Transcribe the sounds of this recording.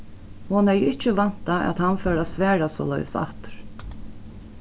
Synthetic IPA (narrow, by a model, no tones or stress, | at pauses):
hɔnɛjɪht͡ʃːəʋan̥t̪aʔæ̰t̪hanfœːɾasvɛːɹasɔ̰ːlœ̰jsa̰ht̪ʏ̥ɾ̥